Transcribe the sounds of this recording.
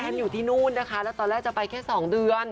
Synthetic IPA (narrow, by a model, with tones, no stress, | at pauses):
ʔʰɛː˧njuː˨˩t̪ʰiː˥˩nuː˥˩nːa˦˥kʰa˦˥lɛː˦˥wt̪ɔː˧nlɛː˥˩k̚t͡ɕa˨˩pa˧jkʰɛː˥˩sɔː˩˦ŋdɯ˧ən